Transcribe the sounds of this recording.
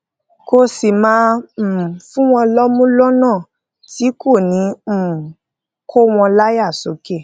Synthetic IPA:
ko˧si˨mãː˧˦˨ | fũ˦w̃ɔ̃˧lɔ˦mũ˦lɔ˦nãː˦˨ | ti˨˦kʰo˦˨nĩ˨˦m̩˨ | kʰo˦w̃ɔ̃˧la˦ja˦˨so˨˦ke˦˨

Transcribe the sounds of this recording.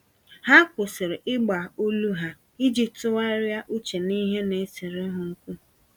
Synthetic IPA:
ha˦kʷʊ˨sɪ˨ɾɪ˨ʔɪ˦ɡ͡ba˨u˦lu˦ɦa˦ | i˦d͡ʒi˨ptʊ˦wa˦ɾɪ˦ja˦ʔu˦t͡ʃe˨ni˦ɦe˦ne˨˦sɪ˨ɾɪ˦ɦʊ˨ŋ̩˦kʷu˦

